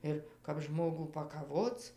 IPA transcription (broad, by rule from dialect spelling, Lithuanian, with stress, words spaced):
ˈɪr kɐp ˈʒmoːɡuː pɐkɐˈʋoːt͡s